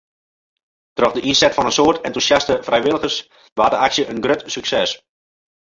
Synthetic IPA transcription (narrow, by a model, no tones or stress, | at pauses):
trɔxdəʔinsɛtfɔnənsoːətɛntusjastəfrɛjʋɪlˠəɣərs | ʋaːdəaksjəʔənɡrøtsyksɛs